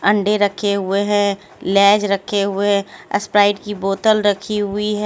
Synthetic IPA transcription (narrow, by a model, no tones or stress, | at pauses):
ə̃ɳɖeɾəkʰːeɦʊeɦɛ̃ | lɛːd͡ʒɾəkʰːeɦʊeɦɛə̰spɾaːɪɖkiboːt̪əlɾəkʰiɦʊiɦɛ